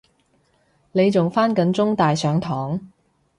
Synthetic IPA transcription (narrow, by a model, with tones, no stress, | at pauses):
ne˨˧jt͡sʊ˨ŋfaː˥nkɐ˨˥nt͡sʊ˥ŋt̪aː˨jsœː˨˥ŋt̪ʰɔː˨˥ŋ